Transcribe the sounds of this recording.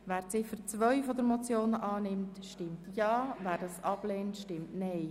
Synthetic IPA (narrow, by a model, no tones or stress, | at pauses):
væːɾt͡sɪfəɾt͡sʋœʏfɔd̪əɾmɔt͡sjoːnəʔɑːnɪmtʃtɪmtjɑːvæːɾdɑsɑb̥leːntʃtɪmtnɛɪ